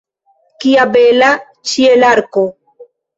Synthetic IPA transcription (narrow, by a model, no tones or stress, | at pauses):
kiabela | t͡ʃielaɾko